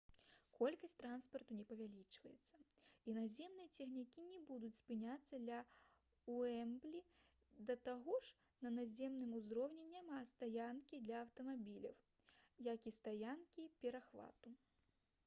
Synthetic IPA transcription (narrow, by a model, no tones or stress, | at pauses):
kɔlʲkɐsʲtʲt̪ɾanspɐrt̪unʲɛpɐvʲalʲit͡ʂvɐjɛt̪sːɐinazʲɛmnɨjɐt͡sʲɛxnʲikʲinʲɛbud̪ut͡sʲspɨnʲat̪sːɐd̪lʲɐ | uɛmblʲi | d̪ɐt̪aɣɔʂ | nɐnazʲɛmnɨmuzɾɔwnʲɛnʲamast̪ajankʲid̪lʲɐɐwt̪ɐmabʲilʲɐ̰w | jakist̪ajankʲipʲɛɾaxva̰t̪u